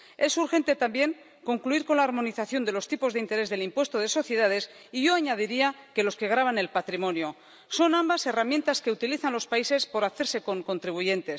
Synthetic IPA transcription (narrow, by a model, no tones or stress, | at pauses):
e̞suɾxẽ̞nt̪e̞t̪ambje̞ŋ | ko̞ŋkluiɾko̞nlaːɾmo̞niθaθjo̞nd̪e̞lo̞st̪ipo̞zðe̞int̪e̞ɾe̞zðe̞limpwe̞st̪oð̞e̞so̞θje̞ð̞að̞e̞s | iʝo̞aɲað̞iɾiake̞lo̞ske̞ɣ̞ɾaβ̞ane̞lpat̪ɾimõ̞njo | so̞nambase̞ramje̞nt̪aske̞ut̪iliθanlo̞spaise̞spo̞ɾaθe̞ɾse̞ko̞ŋko̞nt̪ɾiβuʝe̞nt̪e̞s